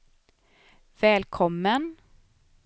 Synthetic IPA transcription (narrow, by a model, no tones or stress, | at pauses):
vɛːlkʰɔmːən